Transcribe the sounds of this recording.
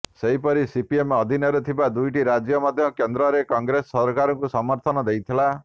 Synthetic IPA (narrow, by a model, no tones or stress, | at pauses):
seɦipɔɾisipiemɔd̪ʱinɔɾut̪ʰibad̪ujʈiɾad͡ʒjɔmɔd̪ʱjɔkend̪ɾɔɾekɔŋɡɾesɔɔɾkaɾɔŋkusɔmɔɾt̪ʰɔnɔd̪ejt̪ʰila